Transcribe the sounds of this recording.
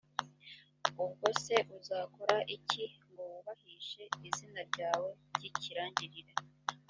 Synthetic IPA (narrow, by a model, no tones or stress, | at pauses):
ubɡo̞se̞ʔuzaːko̞ɾaʔicʰiŋɡoβuβahiːʃe̞izinaɾɟaːwe̞bɟiciɾaːɲɟiɾiɾe